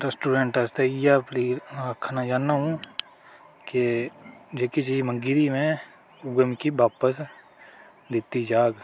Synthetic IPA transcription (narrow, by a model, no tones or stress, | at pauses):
ɾsʈuːɖeɳʈəst̪eɪjapliːaːkʰːanad͡ʒaːnːaɦũ | ke | d͡ʒekit͡ʃiːmə̃ŋɡiɾimẽ | ʊɡəmkibaːpəs | d̪ɪt̪id͡ʒaːɡ